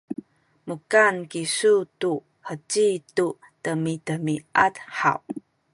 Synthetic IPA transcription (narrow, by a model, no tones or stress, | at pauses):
mukankisutu | ħət͡ɕitu | təmitəmiatħa̰w